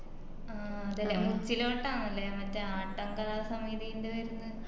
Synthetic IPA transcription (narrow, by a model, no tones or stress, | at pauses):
aː | ɐðɐlːɐmut͡ɕːiloːʈːaːɳɐlːemɐtːeaːʈːɐŋkɐlaːsɐmiðijindeʋɐɾunːɐ